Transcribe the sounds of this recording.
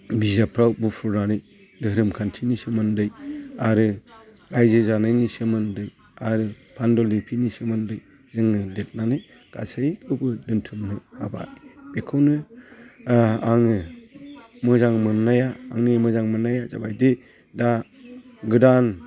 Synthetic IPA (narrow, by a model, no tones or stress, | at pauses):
bizapʰɾawbupʰuɾnanɯj | dɯɦɾɯmkʰantʰinisɯmɯndɯjaɾɯ | ɾajzɯzanajnisɯmɯndɯj | aɾɯ | pʰandɔlipʰinisɯmɯndɯj | zɯŋɯdet̚nanɯj | ɡ̥a̰sakʰɯbɯdɯntʰɯmnɯhaba̰jb̥ekʰɯwnɯ | aŋɯ | mɯzaŋmɯnːajaːŋnimɯzaŋmɯnːajaza̰bajde | da | ɡɯdan